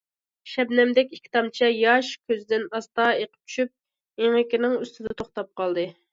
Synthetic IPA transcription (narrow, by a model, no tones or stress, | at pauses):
ʃɛbnɛmd̪ɛkʲikʲʰːi̥t̪ʰɑmt͡ʃʰɛjɑʃkʲʰøzɪd̪ɪnɑst̪ɑeqə̥p̚t͡ʃʰy̥ʃyp̚ | eŋɪkʲinɪŋyst̪ɪd̪ɛt̪ʰoχt̪ɑp̚qɑlˠd̪ɨ